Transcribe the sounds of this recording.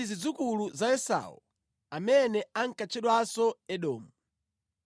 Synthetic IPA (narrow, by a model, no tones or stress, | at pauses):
izid͡zukuluzaɛsa̰ṵ | amɛnɛaŋ̩kat͡ʃʰɛɗwasɔɛɗɔːmu